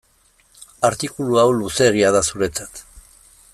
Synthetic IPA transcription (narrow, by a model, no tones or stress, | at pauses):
aɾt̪ikuluawluse̞ɣ̞iaðasuɾe̞t͡sḁt̪